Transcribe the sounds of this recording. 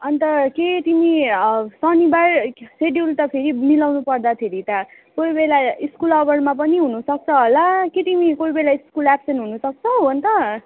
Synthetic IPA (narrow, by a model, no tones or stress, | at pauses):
ʌnt̪ʌket̪imisʌnibaɾseɖjult̪ʌpʰeɾimilawnupʌrd̪at̪ʰeɾit̪a | kojbelaiskulʌbʌɽmapʌniɦunusʌk̚t͡sʰʌɦolaket̪imikojbelaiskulapsʌnɦunusʌk̚t͡sʰʌw̃ʌnt̪ʌ